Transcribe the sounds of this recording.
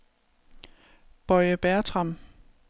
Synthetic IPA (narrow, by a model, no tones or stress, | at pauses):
b̥ɒɪəb̥æɐt͡sʰʁɑm